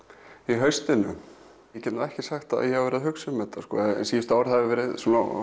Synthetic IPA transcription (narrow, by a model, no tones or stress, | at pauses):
iɦœɥst̪ɪnʏ | jɛcɛt̪naɛhcɪsaxt̪a̰jɛhavɛɾɪðɦʏksʏmːɛt̪askɔ̰siːjɪst̪aːwaɾ̥θaɪɾvɛːɾɪðsuna